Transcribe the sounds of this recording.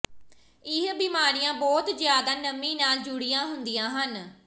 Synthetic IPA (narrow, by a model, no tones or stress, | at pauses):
ɪɦbiːmaːɾijãːbɔːt̪zɪjaːd̪aːnəmĩːnaːld͡ʒʊɽijãːɦʊnd̪ijãːɦən